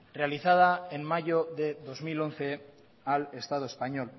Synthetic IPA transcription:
re̞aliθað̞aenmaʝoðe̞ðo̞zmilo̞nθe̞ | ale̞st̪að̞oespaɲo̞l

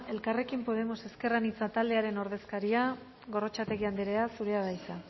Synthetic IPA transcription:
e̞lkare̞kimpo̞ð̞e̞mo̞se̞ske̞ranit͡sat̪ald̪e̞aɾe̞no̞ɾð̞e̞skaɾia | ɣo̞ro̞t͡ʃat̪e̞ɣ̞iand̪iɾeasuɾeaβajsa

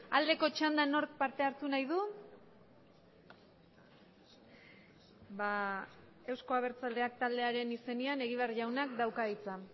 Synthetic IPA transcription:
ald̪e̞ko̞t͡ʃand̪ano̞ɾk̚paɾt̪e̞aɾt̪unajðu | βa | e̞wsko̞aβ̞e̞ɾt͡sald̪e̞ak̚t̪ald̪e̞aɾe̞nise̞niane̞ɣiβ̞eaɾʝawnakd̪awkaɣit͡sa

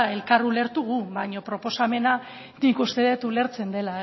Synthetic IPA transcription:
e̞lkarule̞ɾt̪uɣ̞uβaɲo̞pɾo̞po̞same̞na | nikust̪e̞ðet̪ule̞ɾt͡se̞nd̪e̞la

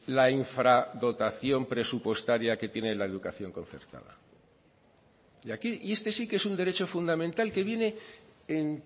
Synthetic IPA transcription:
laiɱfɾaðo̞t̪aθjo̞mpɾe̞supwe̞st̪aɾjake̞t̪je̞nelaeðukaθjo̞ŋko̞n̟θe̞̰ɾt̪a̰ða̰ | iakiie̞st̪e̞sike̞sund̪e̞ɾe̞t͡ʃo̞fund̪amẽnt̪alke̞βje̞ne̞en

